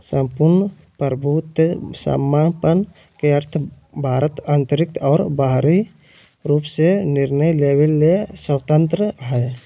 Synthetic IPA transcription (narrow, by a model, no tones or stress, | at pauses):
sə̃mpuɾnə | pəɾbʱut̪sa̰mːapən | keəɾt̪ʰ | bʱaːɾət̪aːnt̪əɾɪk̚t̪ɔːɾbaɦɾi | ɾuːpsenɪɾnəjleːwelːesəwt̪ənt̪ɾəɦɛː